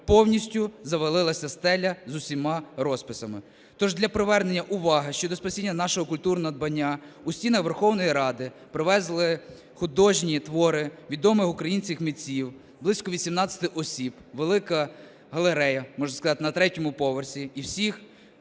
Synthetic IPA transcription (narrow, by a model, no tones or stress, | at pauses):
pɔwnʲisʲtʲʊzɐʋɐlˠɪlˠɐsʲɐst̪ɛlʲːɐzʊsʲimɑɾɔspɪsɐmɪ | t̪ɔʒd̪lʲɐpɾɪʋɛrnenʲːɐʔʊʋɑɦɪʃt͡ʃɔd̪ɔspɐsʲinʲːɐnɑʃɔɦɔkʊlʲt̪urnɔɦɔd̪̚bɐnʲːa | usʲtʲinɐxʋerxɔwnɔjiɾɑd̪ɪ | pɾɪʋɛzlˠɪ | xʊd̪ɔʒnʲit̪ʋɔɾɪʋʲid̪ɔmɪxʊkɾɐjinʲsʲkʲɪxmʲit͡sʲiw | blˠɪsʲkɔʋʲisʲimnɑt͡sʲɐ̥t̪ɪʔɔsʲibʋelˠɪkɐ | ɦɐlˠeɾɛjɐmɔʒnɐskɐzɑt̪ɪnɐt̪ɾɛtʲɔmʊpɔʋɔrsʲiiwsʲix